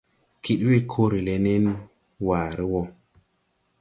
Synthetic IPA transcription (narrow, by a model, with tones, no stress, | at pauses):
kʰi˦ɗwi˦kʰo˦ɾi˨le˧ne˦n | waː˨ɾi˦wɔ˦